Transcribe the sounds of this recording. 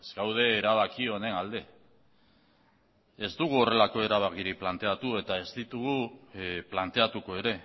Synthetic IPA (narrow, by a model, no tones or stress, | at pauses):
ezɡawð̞e̞ːɾaβ̞akio̞ne̞nald̪e̞ | e̞zt̪uɣ̞uo̞re̞lako̞e̞ɾaβakiɾiplant̪e̞at̪ue̞t̪ae̞zt̪it̪uɣ̞uplant̪e̞at̪uko̞e̞ɾe̞